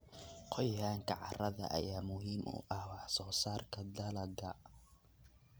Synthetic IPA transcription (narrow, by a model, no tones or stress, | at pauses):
qʰɔjaːŋkʰɐʕɑrɐðɐ̰ʔɐ̰jaːmʊɦiːmʊ̰ʔɐhwɑħsɔːsaːrkʰɐd̪ɐlɐɡɐ